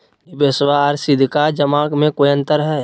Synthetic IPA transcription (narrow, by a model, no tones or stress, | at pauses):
ibesʋaɾsɪd̪ʱkad͡ʒəmaːkmẽkojə̃nt̪əɾɦɛː